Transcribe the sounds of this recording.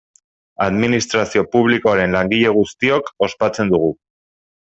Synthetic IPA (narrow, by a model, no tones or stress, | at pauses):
aðminist̪ɾasio̞puβliko̞aɾe̞nlaŋɡiʎe̞ɣ̞ust̪io̞ko̞spat͡se̞nd̪uɣ̞u